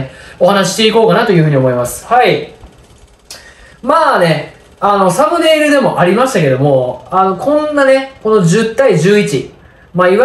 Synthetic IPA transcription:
o̞ɦanaɕ̬iɕt̪e̞iko̞ːkanat̪o̞jɯ̟ɸɯ̟ɲ̟io̞mo̞imasɨ̥hai | maːne̞ | ano̞samɯ̟d̪e̞ːɾɯ̟d̪e̞mo̞ʔaɾʲimaɕi̥t̪ake̞d̪o̞mo̞ano̞kʰõ̞nːane̞ko̞no̞d͡ʑɨt̪ːaiʑɨːit͡ɕi | maːiβa

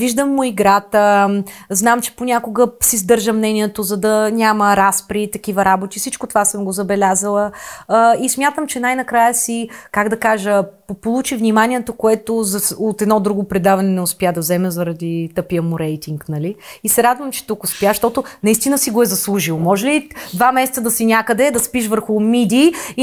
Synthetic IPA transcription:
viʒd̪əmːʊiɡɾat̪əznamt͡ʃɛ̥ponʲakoɡəsizd̪ɤɾʒəmnɛnʲiɛt̪ozɐd̪ɐnʲaməɾaspɾit̪ɐk̟ivəɾabot̪ifsit͡ʃkot̪ovasəmɡozɐbɛlʲazəlˠəː | ismʲjat̪əmt͡ʃɛnajnɐkɾajəsikaɡd̪ɐkaʒə | polˠut͡ʃivnʲimanʲiɛt̪okoɛt̪ozɐot̪ɛd̪nɔd̪ɾuɡopɾɛd̪avɐnɛnɛʊspʲjad̪ɐvzɛmɛzɐɾɐd̪it̪ɤpiəmuɾɛjt̪iŋknɐliːsɛɾad̪vəmt͡ʃɛ̥t̪ukʊspjaʃt̪ɔt̪ʊnɐist̪inəsiɡoɛzɐslˠuʒilˠomɔʒɛlid̪vamɛsɛt̪səd̪ɐsinʲakəd̪ɛd̪ɐspiʃvəɾxʊmid̪ʲi

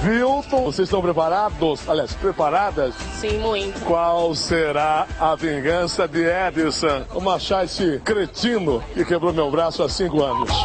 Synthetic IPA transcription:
viwt̪õosezɪst̪ɐ̃pɾepaɾad̪ʊsaliaspɾepaɾad̪ɐssĩmũj̃t̪ʊkwawseɾaɐvĩɡɐ̃sɐd̪ɪɛd̪ɪsõũmɐʃajsɪkɾet͡ʃĩnʊkɪkebɾomewbɾasʊasĩkʊɐ̃nʊs

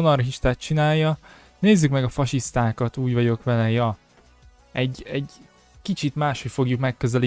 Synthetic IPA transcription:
onɒrɦiʃt̪aːt̪t͡ʃinaːjːɒ | neːzːykmɛɡɒfɒʃist̪aːkɒt̪uːɟʋɒɟo̞kʋɛlɛjɒ | ɛɟɛɟ | kit͡ʃit̪maːʃhocfo̞ɡjukmɛkːøzɛli

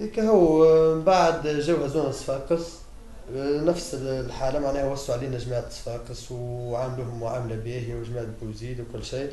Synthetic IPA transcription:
ikæhuwːbaʕəd̪ʒæːwhæzuːnət̪ːfɑːqəs | næfsəlħaːlæmaʕnæːhwɑsˤːuʕliːnæʒmaʕt̪ːfɑːqəswʕamluːhʊmʕamlæbiːɦwʒmæːʕbwziːd̪wkʊlːʃiː

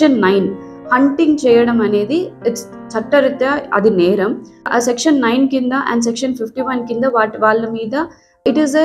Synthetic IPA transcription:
ɐnːɐɪn | hɐɳʈɪŋɡt͡ʃɛjɐɽɐmɐneːd̪iɪʈs | t͡ʃɐʈːɐɾit̪ːaɐ̰d̪ineːɾɐm̰ | sɛkʂɐnːɐɪnkind̪ɐʔɛ̰̃ɳɖs̬ɛkʂɐnfɪfʈiʋɐnkind̪ɐʋaːʈʋaːlːɐmiːd̪ɐ | ɪʈize

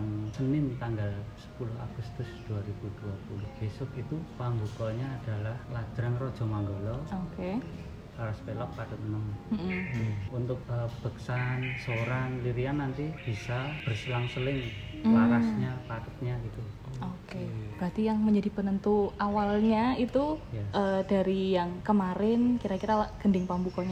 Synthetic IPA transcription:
ŋsənɪnt̪aŋɡalsə̥pulʊɦa̰ɡ̥ust̪ʊsd̪̥uaɾib̥ud̥uapulʊhb̥esʊkit̪upaŋɡukɔɲaːd̥a̤lahlad̪̥ɾaŋrɔd̥ʒ̥ɔ̤maŋɡolɔoke | kaɾaspelɔk̚pat̪ʊt̪̚ənəm | unt̪ʊk̚əb̥ə̤ksansoɾanliɾianːant̪ib̥isab̥ərsilaŋsəlɪŋ | laɾasɲapat̪ə̥t̪̚ɲaɡit̪u | okeb̥ɾat̪ijaŋməɲd͡ʒadipənənt̪uawalɲait̪ujaʔəda̤ɾijaŋkəmaɾɪnkiɾakiɾalaɡ̥əndɪŋpambukɔɲa

